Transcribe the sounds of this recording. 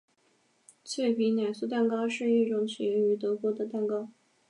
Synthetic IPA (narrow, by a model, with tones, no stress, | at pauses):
t͡sʰwe˥˩ɪpi˧˥na˨˩ɪsu˥˧t̪a˥˩nkɑ˥ʊʂɻ̩˥˧i˥˩ʈ͡ʂʊ˧˥ŋt͡ɕʰi˨˩jɛ˧˥ŋy˧˥t̪ɤ˧˥kwɔ˧˥d̪ə˨t̪a˥˩nkɑ˥ʊ